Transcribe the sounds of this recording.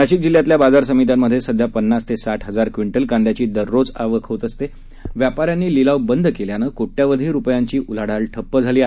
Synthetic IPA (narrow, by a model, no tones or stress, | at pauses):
aɕik̚d͡ʑiljat̪ljabad͡zaɾsəmit̪̬amːəd̪ʱjesəd̪ʱjapənːast̪ʰesaʈɦəd͡zaɾkʋiɳʈəlkãnd̪ʱjat͡ɕiːd̪əɾːod͡zaʋəkʰət̪əst̪e | ʋjapaɾjanːiːlilaʋbənd̪ʱkeljanəkoʈːjaʋəd̪ʱiːɾupjaɲt͡ɕiːʔulaɽalʈʰəpːəd͡zʱaliːaɦ